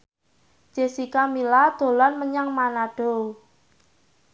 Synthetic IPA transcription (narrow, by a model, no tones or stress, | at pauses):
d͡ʒʒ̥esikamilad̪̥o̤lanməɲaŋmanaɖ̥o